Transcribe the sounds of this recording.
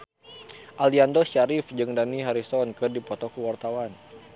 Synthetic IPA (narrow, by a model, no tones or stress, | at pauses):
ʔaliandɔʃaɾifd͡ʒɨŋdaniɦaɾisɔnkɨrdipɔt̪ɔkəwart̪awan